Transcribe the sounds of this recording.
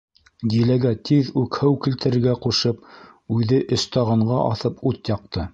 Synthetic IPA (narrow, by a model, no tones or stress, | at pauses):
d̪ilæɡæt̪ʰiðʉkhɘwkilt̪ɘ̆ɾɘ̆ɾɡæquʃɤp̚ | ʉðɘʔɵ̆st̪ɑʁɑɴɢɑʔɑ̰θɤput̪jɑq̚t̪ɤ